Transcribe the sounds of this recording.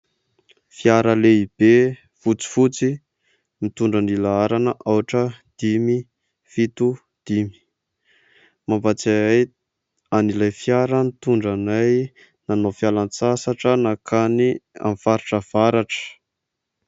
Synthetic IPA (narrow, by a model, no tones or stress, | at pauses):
fjaɾəleib̥e | fut͡si̥fut͡si | mit̪uɳɖ͡ʐanilaaɾanəʔawʈ͡ʂəd̪̥imi | fit̪u | d̪̥imi̥ | mambat͡saaj | anilajfjaɾənit̪uɳɖ͡ʐanaj | nanofjalant͡sasaʈ͡ʂənakʰania̰mfaɾiʈ͡ʂəv̥aɾaʈ͡ʂə̥